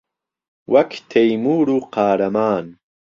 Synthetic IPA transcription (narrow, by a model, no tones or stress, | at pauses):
wɐkt̪ʰejmuːɾuqaːɾɐmaːn